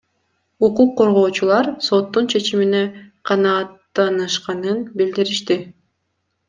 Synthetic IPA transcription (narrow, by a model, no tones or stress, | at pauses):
uquqːo̞ɾʁo̞ːt͡ʃulˠɑɾso̞t̪ːunt͡ʃʰe̞t͡ʃimine̞qʰɑnɑːt̪ːɑnɯʃqɑnɯnbild̪iɾiʃt̪i